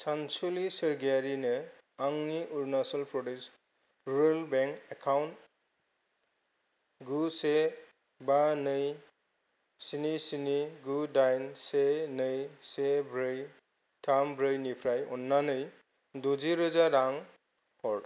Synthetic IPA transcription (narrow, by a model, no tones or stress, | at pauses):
sansulisɯɾɡaɾinɯ | aŋniʔuɾnasalpɾɔdes | ɾuɾalbeŋkekʰawnt | ɡuse | banɯj | sinisiniɡudajnsenɯjsebɾɯj | tʰambɾɯjnipʰɾajɔnːanɯj | dod͡ʒiɾɔzaɾaŋ | pʰɔɾ